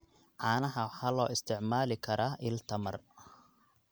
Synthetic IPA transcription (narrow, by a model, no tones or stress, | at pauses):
ʕɑːnɐɦɐwħaːlɔːɪst̪ʰɪʕmaːlɪkʰɐɾaːʔɪlt̪ʰɐmɐ̰r